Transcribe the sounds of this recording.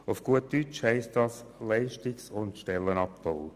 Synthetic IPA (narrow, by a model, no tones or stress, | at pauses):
ʊfɡ̥uətːyt͡ʃhɛɪstd̥ɑslɛɪʃtiksʊntʃtɛlːənɑp̚pow